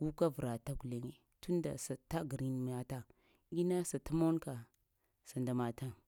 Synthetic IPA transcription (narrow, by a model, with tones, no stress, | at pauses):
ɡu˦ka˦və˨ɾa˨ta˦ɡu˨le˨ŋe˨ | tu˦n˦da̰˨sa˨ta˦ɡɾi˦n˦m˨˦ja˦ta˦ | ɡi˦na˦sa˨ta˦mo˦nka˨ | sa˨nda˨ma˨ta˦ŋ